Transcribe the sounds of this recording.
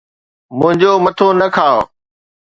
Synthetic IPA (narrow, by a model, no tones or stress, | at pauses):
mʊ̃ɦɪ̃ɲd͡ʑoːmɐt̪ʰonɐkʰaː